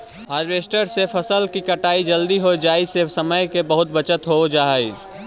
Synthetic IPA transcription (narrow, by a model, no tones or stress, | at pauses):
ɦaːɾʋeːsʈəɾsepʰəsəlkikəʈaːid͡ʒəld̪iɦod͡ʒaːisesəməjkebəɦʊt̪̚bət͡ʃət̪ɦod͡ʒaːɦəi